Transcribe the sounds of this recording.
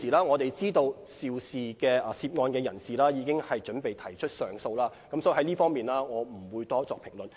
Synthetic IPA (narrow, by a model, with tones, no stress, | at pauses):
iː˨˩laː˥ŋɔː˨˧t̪e˨jt͡siː˥t̪o˧wsiː˨˧wsiː˨˩kɛː˧˨siː˧p̚ŋɔː˧nkɛː˧jɐ˨˩nsiː˨laː˥jiː˨˧˥kɪ˥ŋhɐ˨jt͡ʃɵ˨˥npe˨jt̪ʰɐ˨˩jt͡ʃʰɵ˥t̚sœː˨ŋso˧wlaː˥kɐ˨˥msɔː˨˥˨hɐ˨˥jliː˥fɔː˥ŋmiː˨nlaː˥ŋɔː˨˧m̩˨˩wuː˨˧jt̪ɔː˥t͡sɔː˨kpʰɪ˨˩ŋlɵ˨˩n